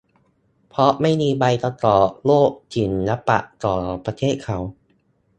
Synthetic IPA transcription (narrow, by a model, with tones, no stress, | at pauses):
pʰɾɔ˦˥ma˥˩jmiː˧ba˧jt̪ɔ˧˩t̪ɔː˨˩loː˥˩k̚t͡ɕi˨˩nːa˦˥pːa̰˨˩ʔt̪ɔː˨˩pɾa˧t̪ʰeː˥˩t̪̚kʰa˦˥w